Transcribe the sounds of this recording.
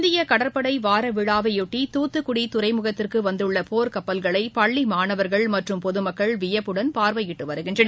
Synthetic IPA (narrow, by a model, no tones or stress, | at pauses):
nd̪ɪjɐkɐɽɐɾpɐɽɐɪʋaːɾɐʋɪɻaːʋɐjɔʈːit̪uːt̪ːɯkʊɽit̪ʊɾɐɪmʊɣɐt̪ːɪrkɯʋɐnd̪ɯɭːɐpoːɾkɐpːɐlɣɐɭɐɪpɐɭːimaːnɐʋɐɾɣɐɭmɐʈrɯmpɔðɯmɐkːɐɭʋɪjɐpːɯɽɐnpaːɾʋɐjɪʈːɯʋɐɾɯɣɪndrɐnɐ